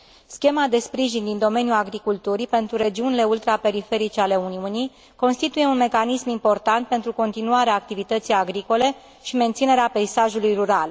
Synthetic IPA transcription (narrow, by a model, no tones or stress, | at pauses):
skʲe̞mad̪e̞spɾiʒind̪ind̪o̞me̞njulaɡɾikult̪uɾipe̞nt̪ɾuɾe̞d͡ʒiunile̞ult̪ɾape̞ɾife̞ɾit͡ʃeale̞uniunij | ko̞nst̪it̪uje̞unme̞kanismimpo̞rt̪ant̪̚pe̞nt̪ɾuko̞nt̪inuaɾeaːk̚t̪ivit̪ət̪sijaɡɾiko̞le̞ | ʃime̞nt̪sine̞ɾeape̞jsaʒulujruɾal